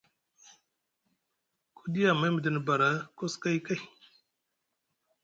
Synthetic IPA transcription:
kʰu˦di˦ja˨ma˦jm˨d̪i˦n˨ba˨ɾa˦ko˦ska˦jka˦j

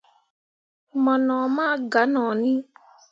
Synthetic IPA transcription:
mɔ̃˨nɔ̃˨mãː˦ɡa˨˦nãː˨nĩ˦

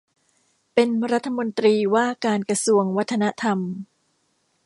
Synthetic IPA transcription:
pe˧nɾa˦˥t̪ʰːa˧mo˧nt̪ɾiː˧waː˥˩kaː˧nkɾa˧su˧əŋwa˦˥t̪ʰːa˧na˦˥t̪ʰa˧m

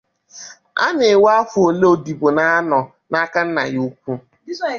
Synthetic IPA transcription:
a̰˦ne˨wa˦fʊ˨o˨le˦o˨di˨bo˨na˦a˦nɔ˨ | na˦ka˦n̩˦na̰˨ju˦kʷu˦

